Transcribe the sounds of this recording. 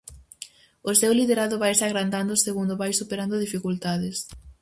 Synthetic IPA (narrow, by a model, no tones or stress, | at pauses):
ʊsewliðeɾaðʊβajsaɣɾand̪and̪ʊseɣund̪oβajsupeɾand̪ʊðifikult̪aðɪs